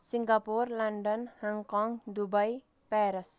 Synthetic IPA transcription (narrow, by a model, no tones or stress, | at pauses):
siŋɡapurlanɖɔnhaŋkɔŋd̪ubaj | pɛɾɛs